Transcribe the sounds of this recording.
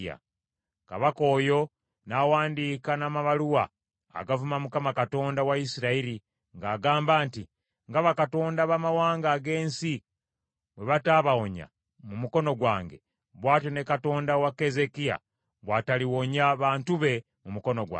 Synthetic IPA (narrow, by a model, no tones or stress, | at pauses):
a̰ | ka̰βako̞ːjo̞ | nawaːndiːkanamaβaluwa̰ː | ɡavumamukamakato̞ːndawaisiɾaiɾi | ŋɡaːɡaːmbaːnti | ŋɡaβakato̞ːndaβamawaːŋɡaːɡe̞ːnsi | βwe̞βataːβawoɲa̰ | mumuko̞no̞ɡwaːŋɡe̞̰ | βwaːtone̞kato̞ːndawake̞ze̞kija̰ | βwaːtaliwo̞ɲaβaːntuβe̞ | mumuko̞no̞ɡwa̰